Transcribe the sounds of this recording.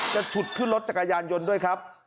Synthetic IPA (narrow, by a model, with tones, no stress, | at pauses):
t͡ɕa˨˩t͡ɕʰu˨˩t̪̚kʰɯ˥˩nlo˦˥t̪̚t͡ɕa˨˩kːa˧jaː˧njo˧ndu˥˩əjkʰɾa˦˥p̚